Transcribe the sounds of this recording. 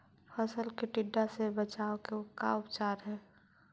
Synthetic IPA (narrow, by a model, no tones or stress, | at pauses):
pʰəsəlkeʈɪɖːasebət͡ʃaːokeoka̰ʊpt͡ʃaːɾɦɛː